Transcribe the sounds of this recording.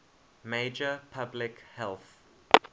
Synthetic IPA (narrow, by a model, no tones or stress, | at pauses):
med͡ʒəpʰablɪkhɛlθ